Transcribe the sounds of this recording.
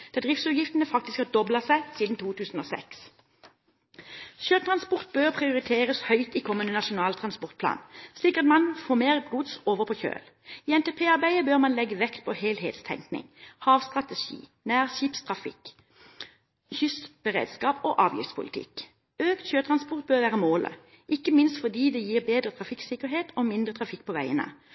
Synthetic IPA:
d̪̥ɛd̪ʁɪft̪sʉːjɪft̪ənəfɑk̚t̪ɪskɑd̪ɔblɑsæɪsiːd̪n̩t̪ʰuːt̪ʰʉːsn̩oːsɛ̰ks | ʃøːt̪ʰʁɑnspɔʁt̪̚bøːʁpʰʁɪʊʁɪt̪ʰeːʁəshœʏt̪iːkʰɔmːənənɑʃʊnɑːlt̪ʰʁɑnspɔʁt̪pʰlɑ̰ːnsliːkɑt̪mɑnfoːmeːʁəɡʊd̪soːʋəʁpʰɔːçø̰ːl | iːɛnt̪eːpʰeːɑʁbæɪəbøːʁmɑnlɛɡəʋɛkt̪̚pʰɔheːlɦḛːt̪st̪ʰɛ̰ŋknɪ̰ŋhɑːʋst̪ʁɑt̪əʃḭːnæːʁʃiːpst̪ʰʁɑfɪ̰k | çʏsb̥əʁḛːd̪skɑːpoːʔɑːʋjɪ̰ft̪spʰʊ̰lɪ̰t̪ʰɪ̰k | øːkt̪çøːt̪ʰʁɑnspɔʁt̪̚bøːʁʋæːʁəmoːlʔə̰ | ʔɪkːəmɪnst̪fɔd̪iːd̪ɛjiːʁbeːd̪ʁət̪ʰʁɑfɪksɪkəʁɦeːt̪ʰoːmɪnd̪ʁət̪ʰʁɑfɪkːpʰɔʋæɪənə̰

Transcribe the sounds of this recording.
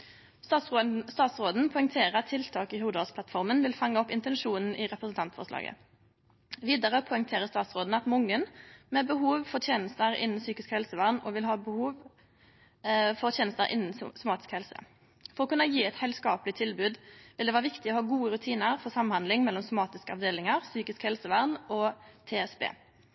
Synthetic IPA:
st̪ɑsst̪ɑːt̪sʁoːd̪n̩pʰɔʏŋt̪ʰeːʁəɑt̪ʰːɪlt̪ʰɑːkɪhuːd̪əɑsplɑt̪fɔʁmənʋɪlfɑŋːəɔpɪnt̪ɛnʂuːnn̩ɪʁɛpɾəsənt̪ʰɑnt̪fɔ̰ʁslɑ̰ːɡə̰ | ʋiːd̪əʁəpʰɔʏŋt̪ʰeːʁəst̪ɑːt̪sʁoːd̪n̩ɑt̪mʊŋːənmɛbəɦuːʋfɔʁt̪ʰjeːnəst̪əʁɪ̰nn̩syːkɪskhɛlsəʋæʁnɔʋɪlɦɑːbəhuːʋ | fɔʁt̪ʰjeːnəst̪əɾʔɪ̰nːn̩sʊmɑːt̪ɪskhɛlsə̰ | fɔʁɔkʉnːəjiːɛt̪hɛlskɑːplɪt̪ʰɪlbʉːd̪ʋɪld̪ɛʋæːʁʋɪkt̪ɪɔhɑːɡuːəʁʉt̪ʰiːnəʁfɔʁsɑmhɑnd̪lɪŋmɛlːɔmsʊmɑːt̪ɪskəɑ̰ʋd̪eːlɪŋəʁsyːkɪskhɛlsəʋæʁnɔːt̪ʰeːɛsbḛː

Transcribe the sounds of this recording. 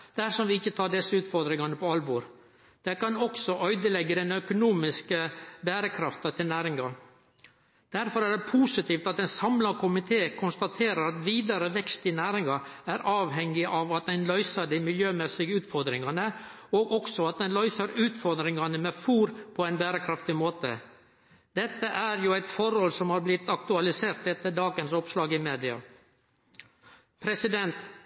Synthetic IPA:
d̪̥æɾʂɔmʋɪɪçːət̪ʰɑːɖɛsːəʉːt̪fɔɾd̪ɾɪŋɑnəpʰɔɑlboːɾ | d̪̥ɛkɑnɔksɔʔœʏd̪əlɛɡːəd̪ɛnœkʊnuːmɪskəbæːɾəkʰɾɑft̪ɑt̪ʰɪlnæːɾɪŋɑ | d̪̥æɾfɔɾæɖɛpʰuːsɪt̪iːft̪ɑt̪ɛɪnsɑmlɑkʰʊmɪt̪ʰeːkʰʊnst̪ɑt̪ʰeːɾəɾɑt̪ʋiːd̪ɑɾəʋɛkst̪ɪnæːɾɪŋɑæɾʔɑːʋhɛŋːɪʔɑʋɑt̪̚d̪ænlœʏsəɖ̪imɪljøːmɛsɪɡəʉːt̪fɔɾd̪ɾɪŋɑnə | oːɡɔksɔɑt̪̚d̪ɛnlœʏsəɾʉːt̪fɔɾd̪ɾɪŋɑnəmɛfuːɾpʰɔæɪnbæːɾəkʰɾɑft̪ɪmoːt̪ə̰ | d̪̥ɛt̪ːəʔæɾjuːæɪt̪fɔɾhɔlsɔmhɑːɾblɪt̪ɑkt̪ʉɑlɪseːɾt̪ɛt̪ːəɖɑːɡənsɔpslɑːɡɪmeːd̪ɪɑ̰ | pʰɾɛsɪd̪ɛnt̪

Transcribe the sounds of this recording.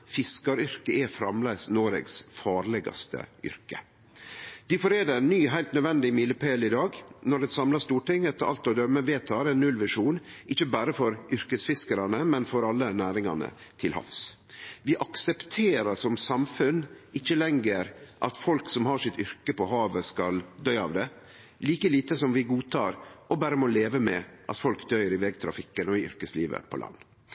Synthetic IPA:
fɪskɑɾʏɾkəʔɛfɾɑmlæɪsnoːɾɛ̰ɡsfɑːɾlɛɡɑ̰st̪ə̰ʏ̰ɾkə̰ | d̪̥ɪfɔɾeːd̪ənːyːɦæɪlt̪nœd̪ʋɛnd̪ɪmiləpʰelɪd̪ɑːɡnɔɖ̪ɛsɑmlɑst̪uːʈɪŋːɛt̪ːəɑ̰lt̪ɔd̪œmːəʋet̪ʰɑːɾɛnːʉlʋɪʂuːnɪçːəbæːɾəfɔɾʔʏɾkəsfɪskəɾɑnəmɛnfɔɾɑlːənæːɾɪŋɑ̰nə̰t̪ʰɪlhɑ̰fs | ʋɪʔɑksɛpt̪ʰeːɾɑsɔmsɑmfʉnɪçːəlɛŋɡəɾʔɑt̪fɔlksɔmhɑʂɪt̪ʏɾkəpɔɦɑːʋəskɑld̪œʏɑ̰ʋd̪ɛ | liːkəliːt̪əsɔmʋɪɡuːt̪ʰɑːɾɔbæːɾəmoleːʋəmɛ̰ʔɑ̰t̪fɔlkd̪œʏəɾɪʋɛɡ̚t̪ʰɾɑ̰fɪkːənɔɪʏ̰ɾkəslḭːʋə̰pʰɔ̰lʔɑ̰nː

